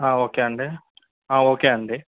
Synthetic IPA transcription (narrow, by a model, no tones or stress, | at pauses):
aːoːkeːɐɳɖe | aːoːkeːɐɳɖe